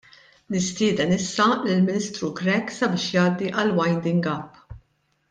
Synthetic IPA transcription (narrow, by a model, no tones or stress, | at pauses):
nɪst̪ɪːd̪ɛnɪsːɐlɪlmɪnɪst̪ɾuɡɾɛksɐbɪːʃjɐːd̪ːiʔɐlwɐjnd̪ɪŋɡɐpː